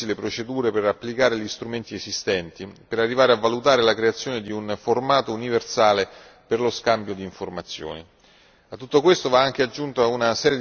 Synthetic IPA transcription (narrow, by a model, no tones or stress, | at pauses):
ilepɾot͡ʃed̪uːɾeperapːlikaːɾeʎist̪ɾument̪iezist̪ɛnt̪ipeɾarːivaːɾeavːalut̪aːɾelakɾeat̪sːjoːned̪iunformaːt̪ouniversaːle | perloskambjod̪iːɱformat̪sːjo̰ːni | at̪ːut̪ːokwest̪ovaaŋk̟ead͡ʒːunt̪oaunasɛːɾje